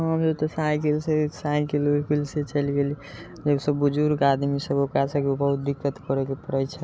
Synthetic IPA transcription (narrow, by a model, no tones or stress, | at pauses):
ɦəmd͡ʒebt̪ɔsakilsesajkelokʰilset͡ʃəlɡeli | d͡ʒebsəbːud͡ʒuɾkad̪misəbokasəkeobəɦut̪̚d̪ikːət̪kəɾekepəɾɛjt͡ʃʰɛ